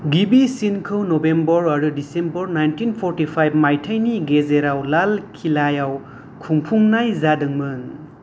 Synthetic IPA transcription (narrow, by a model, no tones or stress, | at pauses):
ɡibisinkʰɯwnobembɔɾaɾɯdisembɔɾnajntʰinpʰɔɾtipʰajb̚majtʰajniɡezeɾawlalkʰilajaw | kʰuŋpʰuŋnajzadɯŋmɯŋ